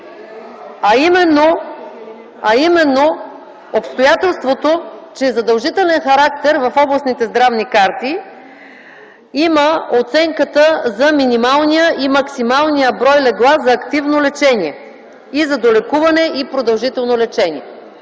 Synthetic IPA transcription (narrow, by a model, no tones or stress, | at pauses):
ɐimɛnːo | ɐimɛnːo | opst̪ojat̪ɛlˠst̪vot̪ot͡ʃɛzɐd̪ɐlˠʒit̪ɛlɛnxɐɾak̚t̪ɛɾvɐfɔblˠɐsnit̪ɛzd̪ɾavnikaɾt̪i | iməot̪sɛŋkət̪əzɐminimalˠnijəʔimɐksimalˠnijəbɾɔjlɛɡlˠaszɐːkt̪ivnolɛt͡ʃɛnʲiɛ | izɐd̪olɛkuvɐnɛʔipɾod̪ɐlˠʒit̪ɛlˠnolɛt͡ʃɛnʲḭɛ